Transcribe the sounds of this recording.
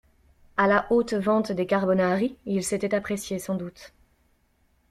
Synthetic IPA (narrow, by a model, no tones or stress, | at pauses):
alaʔot̪vɑ̃t̪d̪ekaʁbɔnaʁiilset̪ɛt̪apχesjesɑ̃d̪ut̪